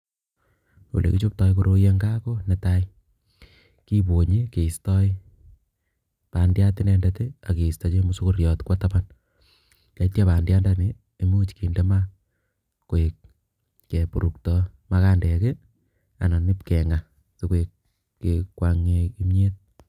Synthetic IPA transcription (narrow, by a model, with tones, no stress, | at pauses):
o̰˨lḛ˨kit͡ʃo˦p̚tɔ˦jkoɾo˦je˦ŋɡa˦ko˦ne˨ta˦j | ki˦bo˨ɲi˦ke˨i˨stɔ˦ | pa˨ndja˦tɪ˦nɛ˦ndetea˨ke˨i˨sta˦t͡ʃe˦mu˦su˦ko˦ɾjɔ˨tkwa˦tapan | la˨itja˦paː˨ndja˦ndani˨ | e˨mo˦t͡ʃki˨nde˦ma˦ | ko˨e˨k̚ː | e˨pu˨ɾu˨k̚tɔ˦ma˦kaː˦ndɛ˨ke˦ | a̰˨nɔ˨nɪ˦pkɛ˨ŋa˨ | si˦ke˨kː | ekwa˧ŋe˧ki˦me˦t̚